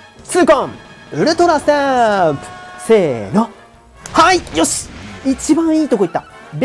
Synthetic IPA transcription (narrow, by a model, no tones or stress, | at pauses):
sɨːkõmɯ̟ɾɯ̟t̪oɾase | seːno | haijoɕi̥it͡ɕibãɰ̃iːt̪o̞ko̞it̪ːa | b